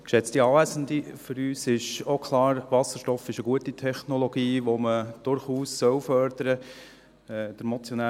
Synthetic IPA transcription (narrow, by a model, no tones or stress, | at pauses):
kʃɛt͡stiɑːʋæsən̩d̪ifʏɾyːsɪʃokʰlɑːɾʋɑsəɾʃtɔfɪʃəɡuətitʰɛχnɔlɔɡ̥iːʋoməd̥ʊɾχuːsːœwfœɾd̪̥əɾə | ɛd̥̪əɾmɔt͡sjɔnæ